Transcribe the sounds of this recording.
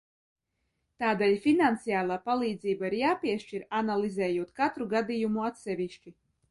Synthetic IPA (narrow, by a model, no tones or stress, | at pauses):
t̪aːd̪ɛːlʲfʲinant̪sijaːlˠaːpalˠiːd̪ziːbaiɾjaːpʲiɛʃt͡ʃiɾanalˠizɛːjuɔt̪kat̪ɾuɡad̪ijumuat̪sɛvʲiʃt͡ʃi